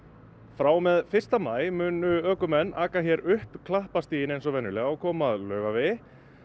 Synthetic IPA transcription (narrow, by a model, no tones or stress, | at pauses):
fɾaːwmɛðfɪr̥st̪amaːjmʏːnʏœːkʏmɛnːaːkaçɛɾʏhpkʰlahpast̪iːjɪnejnsɔvɛnːʏlɛɣaakʰɔːmaðlœːɥɣavɪ